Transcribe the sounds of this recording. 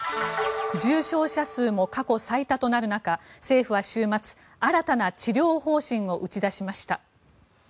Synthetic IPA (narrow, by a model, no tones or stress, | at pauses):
d͡ʑɨːɕo̞ːɕasɨːmo̞kako̞sait̪at̪o̞naɾɯ̟nakase̞ːɸɯ̟βaɕɨːmat͡sɨ̥ | aɾat̪anat͡ɕiɾʲo̞ːho̞ːɕĩŋ̃o̞ʔɯ̟t͡ɕid̪aɕimaɕi̥t̪a